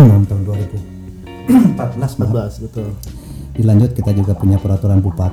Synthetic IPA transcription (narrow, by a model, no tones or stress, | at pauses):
malamt̪aɦʊnduaɾibu | pat̪̚ənasabasbət̪ʊl | dilaɲd͡ʒʊt̪̚kit̪ad͡ʒuɡapuɲapəɾat̪uɾanpupat̪